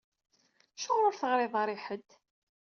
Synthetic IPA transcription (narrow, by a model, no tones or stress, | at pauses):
ʃʊʁɾʊɾθəʁɾɪðˤɑɾˤɪħəd̪